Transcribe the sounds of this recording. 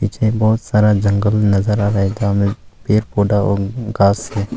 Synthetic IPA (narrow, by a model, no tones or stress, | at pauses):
piːt͡ʃʰebɔːt̪saːɾad͡ʒɐ̃ŋɡəlnɐzəɾaɾɐɦet̪amẽpeːɾpoːɖaɔ̰ːɡaːsɦɛː